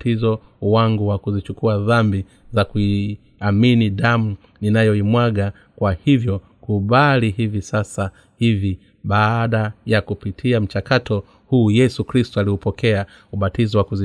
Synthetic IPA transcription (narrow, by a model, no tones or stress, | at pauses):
tizɔ | waŋɡuwakuzit͡ʃukuaðambi | zakui | aminiɗamu | ninajɔimwaɠa | kwahivjɔ | kuɓalihivisasa | hivi | ɓaːɗajakupitʰiam̩t͡ʃakatɔ | huːjɛsukɾistualiupɔkɛa | uɓatizɔwakuzi